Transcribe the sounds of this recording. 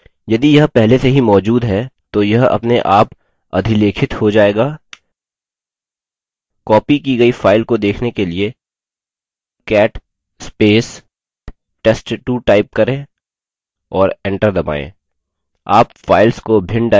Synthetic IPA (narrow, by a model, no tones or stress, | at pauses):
jɐd̪ijɐɦpɛɦleseɦimɔːd͡ʒuːd̪ɦɛt̪ojɐɦɐ̰pneʔaːp | ɐ̰d̪ʱileːkʰɪt̪hod͡ʒaːeːɡaː | kɔːpikiɡɐifaːɪlkod̪eːkʰnekelie | kɛːʈ | speːs | ʈesʈʈuʈaːɪp̚kɐɾẽː | ɔːɾɛ̃ːɳʈəɾd̪ɐba̰ːḛ̃ː | aːpfaːɪlskobʱɪ̃ɳɖa